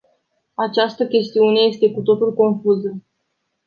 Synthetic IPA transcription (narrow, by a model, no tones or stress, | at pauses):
at͡ʃast̪əkʲe̞st̪iune̞je̞st̪e̞kut̪o̞t̪ulko̞nfuzə